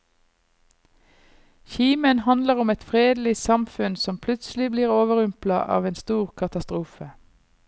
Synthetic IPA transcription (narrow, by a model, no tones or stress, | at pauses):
çiːmənhɑnd̪ləʁʊmɛt̪fʁeːd̪lɪsɑmfʉnsɔmpʰlʉt̪sl̩ɪbliːʁoːʋəʁʉmplɑ̰ʔɑ̰ːʋeːnst̪uːʁkʰɑt̪ɑst̪ʁuːfə